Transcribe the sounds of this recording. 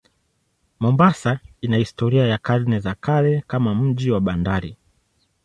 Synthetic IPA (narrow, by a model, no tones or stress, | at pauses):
mɔmbasainahistɔɾiajakaɾnɛzakalɛkamam̩ʄiwaɓandaɾi